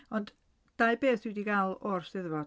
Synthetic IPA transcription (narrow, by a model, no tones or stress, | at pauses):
ɔnd | d̥ajbeːθwidiɡalˠɔrsɪðvɔ